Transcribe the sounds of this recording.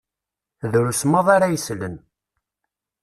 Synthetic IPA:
ðɾusmɑðˤaɾajəslən

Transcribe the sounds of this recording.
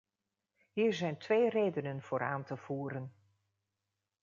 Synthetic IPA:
ɦiːɹzɛjntʋejrejdənənv̥ʊːɾaːntəv̥uːɾən

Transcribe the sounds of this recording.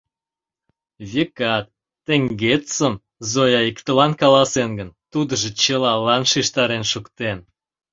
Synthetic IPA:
vʲikɑt̪ː | ĕŋɡet̪səm | zojɑikt̪əlɑnkɑlɑsenɡənt̪ud̪əʒĕt͡ɕəlɑlɑnʃiʃt̪ɑɾenʃukt̪en

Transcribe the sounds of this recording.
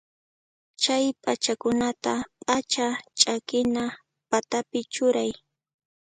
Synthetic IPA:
t͡ʃajpʼat͡ʃakʊnat̪apʼat͡ʃat͡ʃʼakɪna | pat̪apɪt͡ʃʊɾaj

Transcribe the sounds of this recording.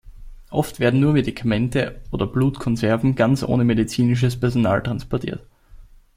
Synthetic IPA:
ʔɔftv̥eːɐdn̩nuːɐmedikʰamɛntəʔoːdɐb̥luːtkʰɔnzɛɐvn̩ɡant͡sʔo̰ːnəmedit͡siːnɪʃ̬əspɛɐzona̰ːltʁ̥anspɔɐtʰḭːɐt

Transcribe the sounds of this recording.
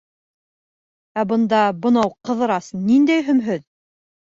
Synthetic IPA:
æbɤ̆nd̪ɑbɤ̆nɑwqɤ̆ðɤ̆ɾɑsnind̪æjɦɵ̆mɦɵð

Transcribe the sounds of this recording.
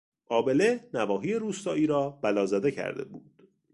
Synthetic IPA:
ʔɒːbe̞lenævɒːɦiːeɾuːst̪ɒːʔiːɾɒːb̥ælɒːzæd̪e̞cʰæ̰ɾd̪ḛbuːd̪̥

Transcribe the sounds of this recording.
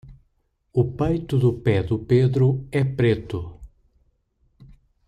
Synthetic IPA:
ʊpejt̪ʊd̪ʊpɛd̪ʊped̪ɾʊɛpɾet̪ʊ

